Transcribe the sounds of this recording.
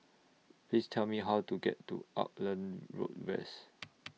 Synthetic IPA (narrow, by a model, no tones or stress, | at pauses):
plistʰɛlmiɦawtuɡɛ̰tːṵʔa̰p̚lə̃nɹo̰t̚vɛ̰s